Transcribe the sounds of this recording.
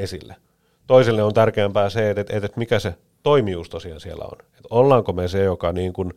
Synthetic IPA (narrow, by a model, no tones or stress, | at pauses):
esḭlːe | t̪oiselːeont̪ærkeæmpæːseet̪et̪et̪et̪mikæse | t̪oimiust̪osiɑ̰nsiḛlːæ̰o̰net̪olːɑːŋkomesejokɑniːŋkun